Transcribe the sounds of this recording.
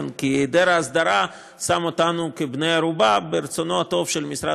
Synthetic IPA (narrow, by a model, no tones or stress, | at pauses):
nkied̪eɾaasd̪aɾa | samo̞t̪anukebnejaɾubabeɾet͡so̞noat̪ovʃelmisɾa̰